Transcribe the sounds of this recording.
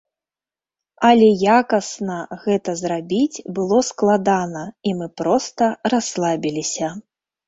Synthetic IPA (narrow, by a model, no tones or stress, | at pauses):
ɐlʲɛjakɐsnɐɣɛt̪ɐzɾabʲit͡sʲbɨlˠɔsklˠad̪anɐimɨpɾɔst̪ɐraslˠabʲilʲisʲɐ